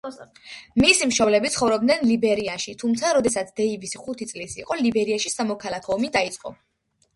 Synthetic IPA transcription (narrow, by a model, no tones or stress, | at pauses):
misimʃɔvlɛbit̪sχɔvɾɔb̚d̪nɛnlibɛɾianʃit̪ʰumt̪sʰaɾɔd̪ɛsat̪sʰd̪̥ɛibisχut̪ʰit̪sʼlisiqʼɔlibɛɾiaʃisamɔkʰalˠakʰɔːmid̪ait̪sʼqʼɔ̰